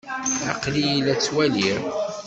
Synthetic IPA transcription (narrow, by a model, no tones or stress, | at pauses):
ɑ̰qlijlːæt͡sːwæliɾ